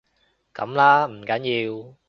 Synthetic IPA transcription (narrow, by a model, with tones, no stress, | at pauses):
ka̰˨˩˦mlaː˦˥m̩˨˩kaː˨˦ɲi˨˩w